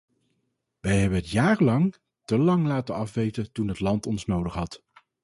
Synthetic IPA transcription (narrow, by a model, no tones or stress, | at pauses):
ʋɛjɦɛbənɦətjaːrlɑŋ | təlɑŋlaːtənɑfʋejtətunɦətlɑntɔnsnowdəχɦɑt